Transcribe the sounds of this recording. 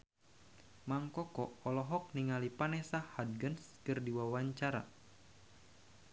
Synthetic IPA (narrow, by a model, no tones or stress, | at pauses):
maŋkɔkɔɔlɔɦɔk̚niŋalipanɛsahad̚ɡənskɨrdiwawaɲt͡ʃaɾa̰